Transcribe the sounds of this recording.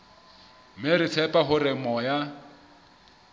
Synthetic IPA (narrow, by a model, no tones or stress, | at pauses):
meɾɪt͡sʰɛpʼaɦʊrɪmɔja